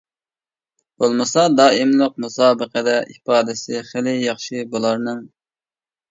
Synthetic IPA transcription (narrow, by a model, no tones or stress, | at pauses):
b̥olˠmɨsɑd̪ɑːimlˠəq̚musɑːbəqəd̪ɛʔipɑːd̪ɪsɪχɪlɪjɑχʃibulˠɑɾnɨŋ